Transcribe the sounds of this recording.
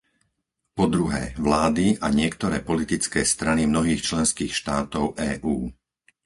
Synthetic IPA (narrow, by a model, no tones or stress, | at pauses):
pɔd̪ɾuɦɛ̰ːʋlaːd̪iʔaɲɪɛkt̪ɔɾɛːpɔlit̪it͡skɛːst̪ɾanimnɔɦiːxt͡ʃlɛnskiːxʃt̪aːt̪ɔʊʔɛːʔuː